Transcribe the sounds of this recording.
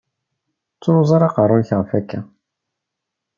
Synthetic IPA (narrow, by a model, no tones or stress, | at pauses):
t͡sːoɾzˤɑɾˤɑqərˤːʊnçʁəfækːæ